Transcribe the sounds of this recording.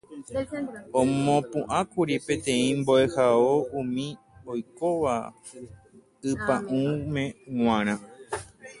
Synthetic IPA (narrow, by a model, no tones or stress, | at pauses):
õmmõpũʔãkuɾipẽ̞t̪ẽ̞ĩmboe̞haoumĩ | ojkoʋa̰ | ɨpãʔũmẽ̞ŋ̃ʷãɾ̃ã